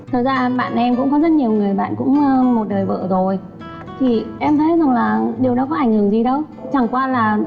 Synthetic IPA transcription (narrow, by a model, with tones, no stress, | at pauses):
t̪ʰə˨˩zaː˧ɓa̰ː˧˨na˨˩ʔmkʊ̰˧˥ŋ͡mkɔ˨˦zə˦˥t̚ɲi˨˩əwŋɨ˨˩əjɓa̰ː˧˨nkʊ̰˧˥ŋ͡mmo˨˩t̚ɗəː˨˩jvə̰ː˧˨zo˨˩j | t̪ʰi˨˩ʔɛ˧mt̪ʰə˨˦jza˨˩ŋlaː˨˩ɗi˨˩əwɗɔ˨˦kɔ˨˦ʔa˨˩jŋ̟hɨ˨˩əŋzi˧˨˩ɗə˨˦w | t͡ɕa˨˩ŋkwaː˧laː˨˩